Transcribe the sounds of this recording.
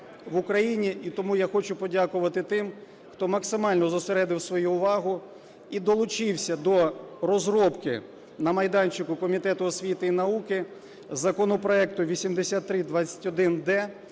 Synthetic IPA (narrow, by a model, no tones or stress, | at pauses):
ʋʊkɾɐjinʲiʔit̪ɔmujaxɔt͡ʃʊpɔdʲakʊʋɐt̪ɪt̪ɪm | xt̪ɔmɐksɪmɑlʲnɔzʊseɾɛd̪ɪwsʋɔjuʊʋɑɦʊ | id̪ɔlˠʊt͡ʃɪwsʲɐd̪ɔrɔzɾɔpkɪ̰ | nɐmɐjd̪ɑnʲt͡ʃɪkʊkɔmʲit̪ɛt̪ʊɔsʲʋʲit̪ɪinɐukɪ | zɐkɔnɔpɾɔɛk̚t̪ʊʋʲisʲimd̪esʲat̪ːɾɪd̪ʋɑt̪t͡sʲːɐ̥tʲɔd̪ɪnd̪ɛ